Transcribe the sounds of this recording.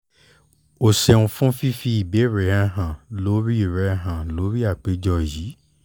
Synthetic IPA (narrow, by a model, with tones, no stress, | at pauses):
o˨se˧ũ˧fũ˦fi˦fi˧˦i˨be˨˦ɾɛ˨˦ɛ˧ɦã˨lo˨˦ɾi˦i˨ɾɛ˨˧˦ɦã˨lo˨˦ɾi˦a˦˨k͡pe˨˦d͡ʒɔ˧˨ji˨˦